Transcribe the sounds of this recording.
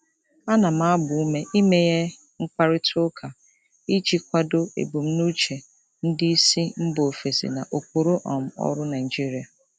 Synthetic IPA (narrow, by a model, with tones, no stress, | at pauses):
a˦na˨m̩˦a˦bʊ˨u˦me˦ʔi˦me˦je˦ | ŋ̩˦k͡pa˦ɾɪ˦tʰʊ˦kʰa˨ | i˦t͡ʃi˦kʷa˦do˦ḛ˨bu˨m̩˦nu˦t͡ʃe˨ | n̩˦dɪ˦i˦si˦m̩˦bo˨fe˨sḭ˨na˨ʔo˨ko˨ɾo˦ʔɔ̰˨m̩˦˨ɔ̰˦ɾʊ˦na˨ɪ˨d͡ʒi˦ɾi˨a˨